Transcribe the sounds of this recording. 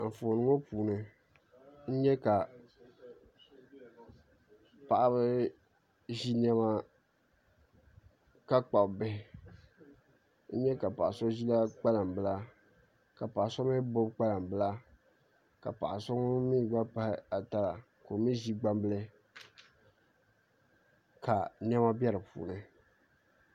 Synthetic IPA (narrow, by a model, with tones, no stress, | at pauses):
ɱ̩˨foː˨nɨ˦ŋo˦puː˨nɨ˨ | n̩˦ɲɛ˦ka˨ | pa˨ʔa˦βɨ˦ | ʒi˦n˦ɛ˦ma˦ | ka˦k͡pa˨bbɛ˦hɪ˨ | n̩˦ɲɛ˦ka˨pa̰˨ʔa˨so˦ʒi˦la˦k͡pa˦la˨m˨bɨ˨la˦ | ka˨pa˨ʔso˦mɨ˦bo˦bk͡pa˦la˨m˨bɨ˦la˦ | ka˨pa˨ʔa˨sɔ˦ŋ˦miː˦˨ɡ͡ba˦pa˦hɪ˦a˨ta˦la˨ | ko˨mi˦ʒi˦ɡ͡ba˦mbɨ˦lɨ˦ | kʰa˨ni˦ɛ˦ma˦bɛ˦ɾɨ˨pṵː˨nɨ˨